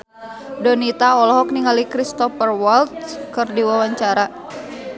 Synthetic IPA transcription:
dɔnit̪aɔlɔɦɔk̚niŋalikɾist̪ɔfərwɔlt̪̚kɨrdiwawaɲt͡ʃaɾa

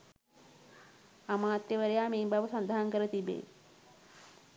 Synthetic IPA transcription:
amaːt̪ːeʋəɾejaːmeːmbaʋəsand̪aɦaŋkəɾət̪ibḛː

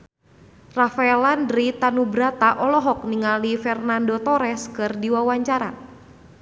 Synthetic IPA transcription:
rafaɛlandɾit̪anubɾat̪aʔɔlɔɦɔk̚niŋalifɛrnandot̪ɔɾɛskɨrdiwawaɲt͡ʃaɾa̰

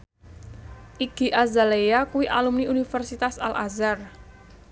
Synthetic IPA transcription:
ʔiɡ̥i̤ʔazalejakuwiʔalumniunifərsit̪asalʔazar

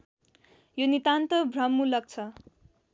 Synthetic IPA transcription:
jonit̪ant̪ʌbʱrʌmːulʌk̚t͡sʰʌ

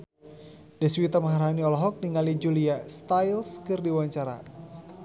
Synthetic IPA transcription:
dɛswit̪aməɦaɾɦaniɔlɔɦɔk̚niŋalid͡ʒuliast̪ajlskɨrdiwaɲt͡ʃaɾa̰

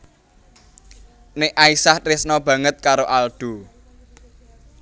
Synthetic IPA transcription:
nɪʔaisahtɾɪsnɔb̥ä̤ŋət̪̚kaɾoʔalɖ̪̥ṳ

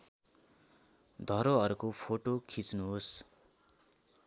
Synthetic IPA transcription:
d̪ʱʌɾoʌɾukopʰoʈokʰit͡snuɦos

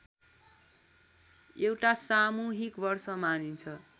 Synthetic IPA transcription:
ewʈasamuɦikbʌrsʌmanint͡sʰʌ

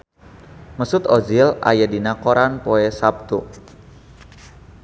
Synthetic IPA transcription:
məsʊt̪ɔd͡ʒɪla̰jadinakoɾanpoɛsap̚t̪u

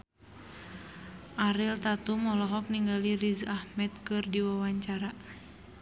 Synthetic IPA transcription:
ʔaɾilt̪at̪umɔlɔɦɔk̚niŋɡalirizahmɛt̪̚kɨrdiwawaɲt͡ʃaɾa

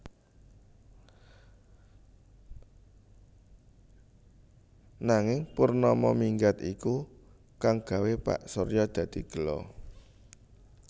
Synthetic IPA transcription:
naŋɪŋpurnɔmɔmiŋɡat̪iku | kaŋɡ̥ä̤wepa̰ʔsorjɔd̪̥ä̤d̪̥i̤ɡ̥ə̤lɔ̰

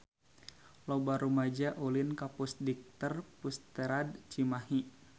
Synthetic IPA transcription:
lɔbaɾumad͡ʒaʔulinkapusdik̚t̪ərpust̪eɾadt͡ʃimaɦi

